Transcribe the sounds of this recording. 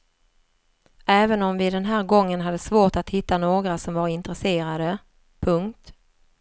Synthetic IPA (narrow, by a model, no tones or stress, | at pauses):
ɛːvənɔmvɪd̪ɛnɦæːɾɡɔŋːənɦad̪ːəsvoːʈat̪hɪt̪ːanoːɡɾasɔmvaɾɪnt̪ɾɛseːɾad̪ə | pʰɵŋk̚t̪